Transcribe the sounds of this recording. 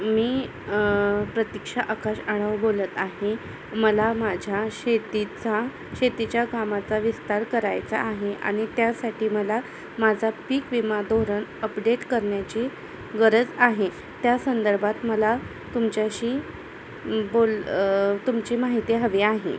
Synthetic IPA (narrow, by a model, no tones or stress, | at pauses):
miː | pɾət̪ikʂaʔəkaɕaɽ̃aʋbolət̪aɦe | məlamad͡ʑʱaɕet̪it͡sa | ɕet̪it͡ɕjakamat͡saʋist̪aɾkəɾajt͡sa̰ʔːɦeʔa̰ɽ̃it̪jasaʈʰiːməla | mad͡zʱapiːkʋimad̪ʱoɾəɳəpɖeʈkəɾɳjat͡ɕi | ɡəɾəd͡zaɦe | t̪jasənd̪əɾbʱat̪məla | t̪umt͡ɕjaɕiː | bolt̪umt͡ɕimaɦit̪iɦəʋeaɦḛ